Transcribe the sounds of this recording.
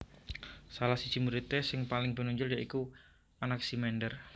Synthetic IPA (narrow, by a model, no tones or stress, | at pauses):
salahsid̥ʒ̥i̤muɾit̪ɛsɪŋpalɪŋb̥ə̤nuɲd͡ʒʊljaʔiku | anaksimɛnɖər